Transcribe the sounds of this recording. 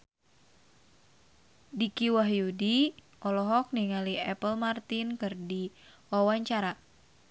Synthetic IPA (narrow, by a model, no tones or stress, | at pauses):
dikiwaɦjudi | ʔɔlɔɦɔk̚niŋaliɛpəlmart̪inkɨrdiwawaɲt͡ʃaɾa